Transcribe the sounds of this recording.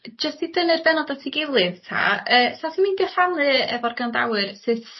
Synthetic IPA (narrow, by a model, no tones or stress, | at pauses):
d͡ʒəstidənɨrbɛnɔdatʰiɡɪlˠɨðtʰa̰əːsatiminɡɛfalˠɨɛ̰vɔrɡanda̰wɨrsɨθ